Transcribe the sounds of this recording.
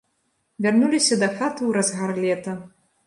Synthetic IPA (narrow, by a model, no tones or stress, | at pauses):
vʲarnulʲisʲɐd̪ɐxat̪ɨwɾɐzɣarlʲɛt̪ɐ